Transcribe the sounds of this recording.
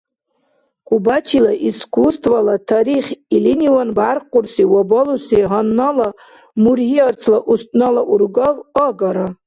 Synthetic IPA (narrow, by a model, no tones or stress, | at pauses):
kʷubat͡ʃʰilaʔiskʷʰustʰvalatʰaɾiχʲiliniwanbarqʷʊrsiwabolusiɦanːala | murhiart͡sʰlaʔust̪̚ʼnalaʔurɡavaɡaɾa